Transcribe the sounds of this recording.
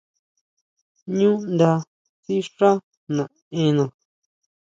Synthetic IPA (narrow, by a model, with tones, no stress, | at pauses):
ɲũ˦nd̪a˧ | si˦ʂã˦ | nã˨ | ẽ˧nã˨